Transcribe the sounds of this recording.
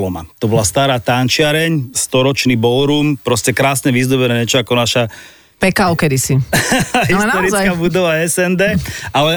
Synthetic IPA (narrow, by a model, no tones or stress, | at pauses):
lɔma̰t̪ɔbɔlast̪aːɾaːt̪ant͡ʃɪaɾɛɲst̪ɔɾɔt͡ʃnibɔlɾumpɾɔscɛkɾaːsɲɛʋizd̪ɔbɛnɛɲɛt͡ʃɔakɔnaʃa | pɛkaʊkɛd̪isi | ɦist̪ɔɾikabud̪ɔʋaɛsɛnd̪ɛːalɛ